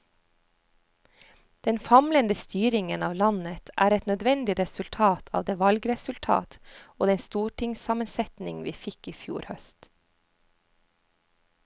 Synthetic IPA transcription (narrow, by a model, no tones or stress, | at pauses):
d̪̥ɛnfɑmlənd̪əst̪yːɾɪŋənɑːʋlɑnət̪ʰʔæ̰ːɾɛt̪nœd̪ʋɛnd̪ɪɾɛsʉlt̪ʰɑːt̪ʰɑ̰ːʋd̪eːʋɑlɡɾɛsʉlt̪ʰɑ̰ːt̪oːd̪ɛnst̪uːʈʰɪŋsɑːmənsɛt̪nɪŋʋiːfɪkiːfjṵːɾhœst̪